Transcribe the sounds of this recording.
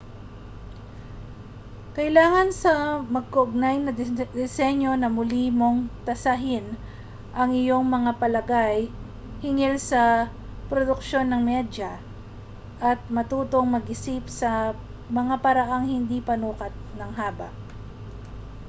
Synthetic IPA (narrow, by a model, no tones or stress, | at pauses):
kɐʔɪlaːŋɐnsɐmɐɡ̚kɐʔʊɡ̚najnɐd̪ɪsɛɲo̞nɐmʊlimo̞ŋt̪ɐsɐɦɪn | ʔɐŋɪjo̞ŋmɐŋapɐlɐɡaj | hɪŋɪlsɐ | pɾod̪ʊk̚ʃo̞nːɐŋmɛd͡ʒɐ | ʔɐt̪̚mɐt̪uːt̪o̞ŋmɐɡʔɪsipsɐ | mɐŋapɐɾɐʔaŋhɪnd̪ipɐnuːkɐt̪̚nɐŋɦaːbɐ̰ʔ